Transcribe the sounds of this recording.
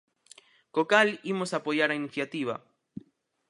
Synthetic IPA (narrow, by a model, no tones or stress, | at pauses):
kokalimosapojaɾainiθjat̪iβa̰